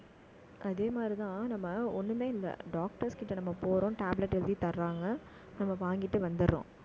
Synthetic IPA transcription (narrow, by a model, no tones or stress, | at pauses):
ʔɐðeːmaːd̪ɾit̪ãːnɐmːɐɔnːɯmeːɪlːɐ̰ɖaːk̚ʈɐɾskɪʈːɐnɐmːɐpoːɾõʈaːblɐʈːɛld̪it̪ɐɾːaːŋɡɐ | nɐmːɐʋaːŋɡɪʈːɯʋɐnd̪ɯɾːõ̰ː